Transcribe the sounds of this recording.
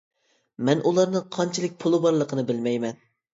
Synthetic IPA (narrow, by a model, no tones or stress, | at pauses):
mɛnʔulˠɑɾnɨŋqʰɑnt͡ʃʰɪlˠɨk̚ʲpʰʊlˠɨbɑɾlˠəqʰənɨbɪlmɛjmɛn